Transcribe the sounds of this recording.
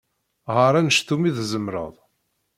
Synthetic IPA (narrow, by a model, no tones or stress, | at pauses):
ʁəɾˤænəʃt̪umiðzəmɾə̰ðˤ